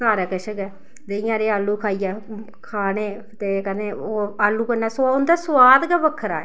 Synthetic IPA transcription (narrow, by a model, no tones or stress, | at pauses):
saːɾaːkəʃʰəɡɛː | d̪eijãːɾeːaːlːuːkʰaːijɛː | kʰaːneː | t̪eːkəneːoːaːlːuːkənɛːsaːʊnd̪aːsʋaːd̪ɡɛʋəkʰːəɾa̰ːɛ